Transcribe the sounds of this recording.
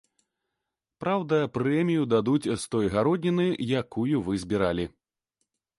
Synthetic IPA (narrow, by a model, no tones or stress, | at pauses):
pɾawd̪ɐpɾɛmʲijud̪ad̪ut͡sʲst̪ɔjɣaɾɔd̪ʲnʲinɨjakujuvɨzʲbʲiɾalʲi